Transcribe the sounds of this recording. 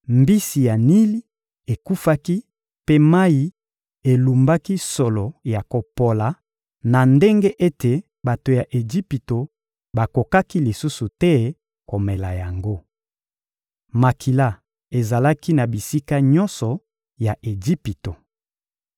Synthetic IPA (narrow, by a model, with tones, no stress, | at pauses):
mbi˦si˨ja˨ni˦li˦ | e˨ku˦fa˦ki˦ | pe˦ma˦i˨ | e˨lu˨mba˦ki˦sɔ˨lɔ˨ja˨ko˨po˨la˨ | na˨nde˦ŋɡe˦ʔe˦te˨ | ba˨to˨ja˨ʔe˨d͡ʒi˦pi˨to˨ | ba˨ko˨ka˦ki˦li˨su˦su˨tɛ˦ | ko˨me˨la˨ja˨ŋɡo˦ | ma˨kʰi˨la˦ | e˨za˨la˦ki˦na˨bi˨si˦ka˦ɲɔ˦nsɔ˨ | ja˨ʔe˨d͡ʒi˦pi˨to˨